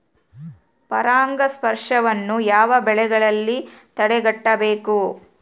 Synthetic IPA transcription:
pɐɾaːŋɡɐspɐɾʂɐʋɐnːujaːʋɐbɛɭɛɡɐɭɐlːit̪ɐɽɛɡɐʈːɐbeːku

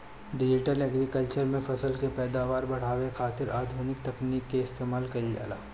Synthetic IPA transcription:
ɖɪd͡ʒɪʈəlɛɡɾikəlt͡ʃəɾmẽfʰɐsəlkepɛːd̪aːʋaːɾbɐɽ̤aːʋekʰaːt̪ɪɾaːd̪ʱunɪk̚t̪ɐknikːeɪst̪eːmaːlkɐid͡ʒa̰ːla̰ː

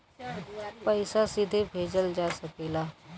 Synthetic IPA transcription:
pəɪsaːsɪd̪ʱeːbʱeːd͡ʒəld͡ʒaːsəkeːlaː

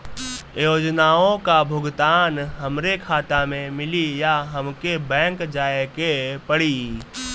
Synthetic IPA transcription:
joːd͡ʒnaːõkabʱʊɡt̪aːnɦɐmɾekʰaːt̪amẽmɪlijaɦɐmkebɛ̃ːŋkd͡ʒaːekepəɽi

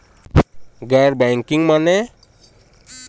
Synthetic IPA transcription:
ɡaɾbajŋkiŋmanɛ

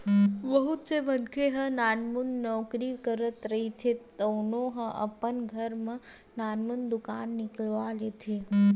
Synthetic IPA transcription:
ʋəɦut̪̚t͡ʃemənkʰeɦə̃naːnmunːɔːkɾikəɾət̪ɾəɦit̪ʰet̪ənõɦə̃ʔɐ̰pənɡʱəɾmã | naːnmund̪ʊkaːnːɪkəlʋaːlet̪ʰe

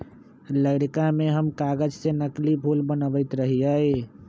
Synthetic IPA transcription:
ləɡɾikameɦəmkaɡəd͡ʒsenəklipʰulbənəbəɪt̪ɾəɦijəe

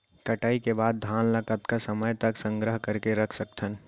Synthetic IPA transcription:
kɐʈaːikebaːd̪̚ːʱaːnlɐkət̪kasɐməjt̪ɐksə̃ŋɡɾəɦkɐɾkeɾɐkʰsɐk̚t̪ʰən

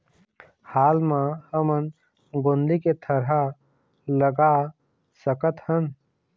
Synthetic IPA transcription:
haːlmãhəmən | ɡonliket̪ʰəɾa | ləɡa | səkət̪hən

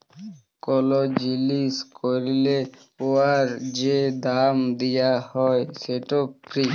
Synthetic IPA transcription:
kɔlod͡ʑiliskoɾile | oaɾd͡ʑed̪amd̪ijahɔeseʈopɾi

